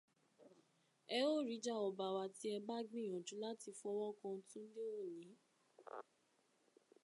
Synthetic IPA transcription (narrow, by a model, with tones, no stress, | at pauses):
ɛ˧o˦˨ɾi˨˦d͡ʒa˦˨ɔ˨ba˧wa˧ti˦ɛ˧ba˦ɡĩ˦˨j̃ɔ̃˨d͡ʒũ˨˦la˦ti˧fɔ˧˦wɔ˦kã˧˦tũ˦n̩˦le˦o˦˨nĩ˨˦